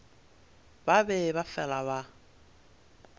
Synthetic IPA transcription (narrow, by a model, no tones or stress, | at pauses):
babɛbafɛlaβa